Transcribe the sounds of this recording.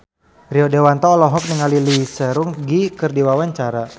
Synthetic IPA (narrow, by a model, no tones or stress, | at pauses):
riɔdewant̪ɔːlɔɦɔk̚niŋalilisəɾuŋɡikɨrdiwawaɲt͡ʃaɾa